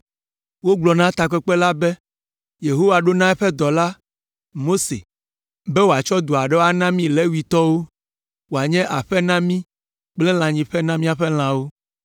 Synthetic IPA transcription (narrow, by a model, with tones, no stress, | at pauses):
wo˦ɡ͡blɔ˨nã˦t̪a˨kɛ˦k͡pɛ˦la˦bɛ˦ | je˨ɦo˦wa˨ɖo˦nã˦ɛ˦ɸɛ˦d̪ɔ˨la˦ | mo˦sḛ˨ | bɛ˦wo˨a˨t͡ʃɔ˦d̪o˨a˨ɖɛ˦wo˦a˦nã˦mĩ˦lɛ˦wi˨t̪ɔ˦wo˦ | wo˨a˨ɲɛ̃˦ʔa˨ɸɛ˦nã˦mĩ˦ | k͡plɛ˦l̃ã˨ɲĩ˨ɸɛ˦nã˦mĩ˦a˨ɸɛ˦l̃ã˨wo˦